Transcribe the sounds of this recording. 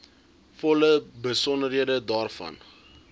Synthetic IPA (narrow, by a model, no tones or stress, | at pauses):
fɔləbəsɔndərɦiədədɑːrfɐ̰n